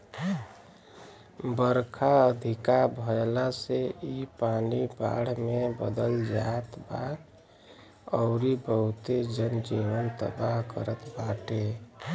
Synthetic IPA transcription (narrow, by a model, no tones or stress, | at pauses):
bəɾkʰaəd̪ʱikabʱəɛlaseipaniba̰ɽ̤mebə̰d̪əld͡ʒat̪bad̪ | ɔʊɾibəɦut̪ed͡ʒənd͡ʒiʋənt̪ə̰baɦkə̰ɾət̪baʈe